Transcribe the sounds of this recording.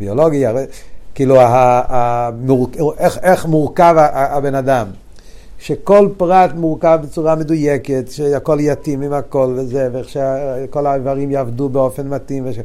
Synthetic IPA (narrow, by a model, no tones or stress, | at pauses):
biolo̞ɡiaekiːluaamuʁkeχeχmuʁkavaaabe̞nadam | ʃe̞ko̞lpʁatmuʁkavbet͡suʁame̞dujeke̞tʃehako̞ljatimimhako̞lvezeveeχʃeko̞lavaʁimjaːvdubeo̞fe̞nmat̪imveʃe